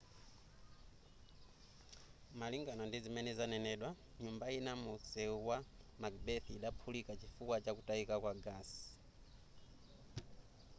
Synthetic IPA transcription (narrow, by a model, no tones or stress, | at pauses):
maliŋɡanɔndizimɛnɛzanɛnɛɗwa | ɲumbainamusɛwamakbɛθiɗapʰulikat͡ʃifukwat͡ʃakutaikakwaɡas